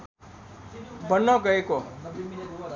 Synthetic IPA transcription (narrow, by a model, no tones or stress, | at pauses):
bʱʌnːʌɡʌeko